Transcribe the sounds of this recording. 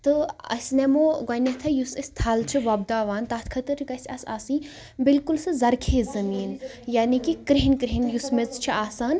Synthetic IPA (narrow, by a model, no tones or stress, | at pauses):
t̪ɨɐ̰sʲnemoːɡɐnʲɐt̪ʰɐjusisʲt̪ʰaːlt͡ʃʰiʋɐb̚d̪aːʋaːnt̪aːt̪ʰkʰɐt̪ɨɾɡɐsʲɐsa̰ːsĩː | bilkulsɨzɐɾkʰeːzɐmiːn | jaːnikikɾiɦinkɾiɦinjusmit͡st͡ʃʰiʔaːsaːn